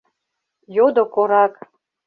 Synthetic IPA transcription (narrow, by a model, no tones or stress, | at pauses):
jod̪okoɾɑk